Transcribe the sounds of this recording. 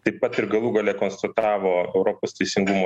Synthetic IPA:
t̪ɐɪppːɐt̪ɪɾɡɐlˠuːɡɐlʲeːkoːnst̪ɐt̪ɑːʋoːɛʊɾoːpoːst̪ʲɛɪsʲɪŋɡumoː

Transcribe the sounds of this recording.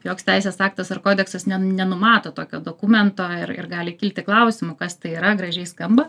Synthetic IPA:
joːksʲt̪ʲɛɪsʲeːsɑːk̚t̪ɐsɐrkoːd̪ʲɛksɐsnʲɛnʲɛnʊmɑːt̪oːt̪oːkʲoːd̪oːkumʲɛnt̪oːɪrɪ̰rɡɑːlʲɪkʲɪlʲt̪ʲɪklˠɐʊsʲɪmʊkɐst̪ɐɪiːɾɐɡɾɐʒʲɛɪskɐmbɐ

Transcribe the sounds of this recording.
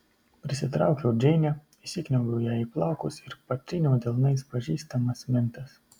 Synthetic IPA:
pʲɾʲɪsʲɪt̪ɾɑˑʊkʲɛʊd͡ʒʲɛɪnʲɛ | ɪsʲɪknʲɛʊɡɐʊjæːiplˠɑˑʊkʊsɪɾpɐt̪ʲɾʲɪnʲɛwd̪ʲɛlˠnɐɪspɐʒʲiːst̪ɐmɐsmʲɪnt̪ɐs

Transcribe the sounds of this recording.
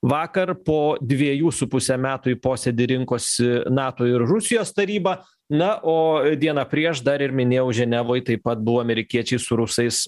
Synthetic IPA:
ʋɑːkɐrpoːd̪ʲʋʲiɛjuːsʊpʊsʲɛmʲæːt̪ʊpoːsʲɛd̪ʲɪɾʲɪŋkoːsʲɪnɑːt̪oːɪɾɾʊsʲɪjoːst̪ɐɾʲiːbɐ | nɐʔoːd̪ʲiɛnɐpʲɾʲiɛʃd̪ɐɾɪɾmʲɪnʲeːjɛʊʒʲɛnʲɛʋoːjt̪ɐɪpɐt̪̚bʊʋoːɐmʲɛɾʲɪkʲiɛt͡ʃʲɛɪsʊɾʊsɐɪs

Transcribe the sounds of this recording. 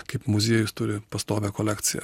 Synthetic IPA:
kɐɪpmʊzʲiɛjʊst̪ʊɾʲɪpɐst̪oːʋʲɛkolʲæːkt̪sʲɪjɛ̰

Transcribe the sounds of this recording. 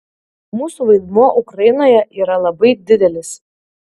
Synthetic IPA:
muːsuʋɐɪd̪muɔʔʊkɾɐjɪnoːjɛʔiːɾɐlˠɐbɐɪd̪ʲɪd̪ʲɛlʲɪs

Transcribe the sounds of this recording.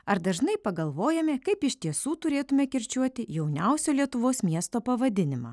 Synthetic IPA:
ɐɾd̪ɐʒnɐɪpɐɡɐlˠʋoːjɛmʲɛkɐɪpɪʃʲt̪ʲiɛsuːt̪ʊɾʲeːt̪ʊmʲɛkʲɛɾʲt͡ʃʲuɔt̪ʲɪjɛʊnʲɛʊsʲoːlʲiɛt̪ʊʋoːsmʲiɛst̪oːpɐʋɐd̪ʲɪnʲɪmɑ̰ː

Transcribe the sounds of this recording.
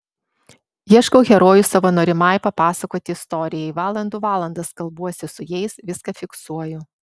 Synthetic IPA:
jiɛʃkɔʊɣʲɛɾoːjʊsɐʋoːnoːɾʲɪmɑˑɪpɐpɑːsɐkoːt̪ʲɪːst̪ɔɾʲɪjɛɪʋɑːlˠɐnd̪uːʋɑːlˠɐnd̪ɐskɐlˠbuɔsʲɪsʊjɛɪsʋʲɪskɐfʲɪksuɔjʊ

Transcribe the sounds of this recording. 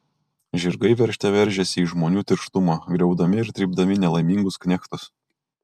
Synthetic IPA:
ʒʲɪɾɡɐɪʋʲɛɾʲʃʲt̪ʲɛʋʲɛɾʲʒʲɛsʲɪiːʒmoːnʲuːt̪ʲɪɾʃt̪ʊmɑːɡɾʲɛʊd̪ɐmʲɪɪɾt̪ʲɾʲiːb̚d̪ɐmʲɪnʲɛlˠɐɪmʲiŋɡʊsknʲɛkt̪ʊs

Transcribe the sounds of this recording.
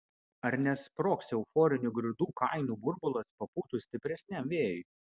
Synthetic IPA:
ɐɾʲnʲɛspɾoːksʲɛʊfɔːɾʲɪnʲʊɡɾʲɪd̪uːkɐˑɪnuːbʊɾbʊlˠɐspɐpuːt̪uːsʲt̪ʲɪpʲɾʲɛsʲnʲɛmʋʲeːjʊ

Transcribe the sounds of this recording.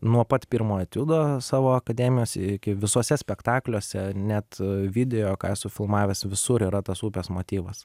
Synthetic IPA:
nuɔpɐt̪pʲiɾmoːɐt̪ʲud̪oːsɑːʋoːɐkɐd̪ʲɛːmʲɪjoːsʲɛɪkʲɪʋʲɪsoːsʲɛsʲpʲɛkt̪ɑːklʲoːsʲɛnʲɛt̪ʋʲɪd̪ʲɛjoːkɑ̰ːjsʊfʲɪlˠmɑːʋʲɛːsʋʲɪsʊɾiːɾɐt̪ɐsuːpʲeːsmoːt̪ʲiːʋɐs

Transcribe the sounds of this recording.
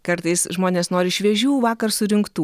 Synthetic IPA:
kɐɾt̪ɐɪsʒmoːnʲeːsnoːɾʲɪɪʃʲʋʲɛʒʲuːʋɑːkɐɾsʊɾʲɪŋkt̪uː

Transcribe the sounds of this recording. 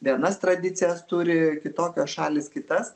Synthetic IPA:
ʋʲiɛnɐst̪ɾɐd̪ʲɪt͡s̪ʲɪjɛst̪uːɾʲɪkʲɪt̪oːkʲoːsʃɑːlʲɪskʲɪt̪ɐs

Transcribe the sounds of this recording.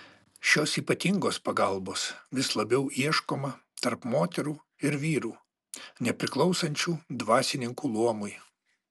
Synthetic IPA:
ʃʲoːsiːpɐt̪ʲɪŋɡoːspɐɡɐlˠboːsʋʲɪslˠɐbʲɛʊʔiɛʃkoːmɐt̪ɐɾpmoːt̪ʲɛɾuː | ɪɾʋʲiːɾuː | nʲɛpʲɾʲɪklˠɒʊsɐnʲt͡ʃʲuːd̪ʋɑːsʲɪnʲɪŋkuːlˠuɔmʊj

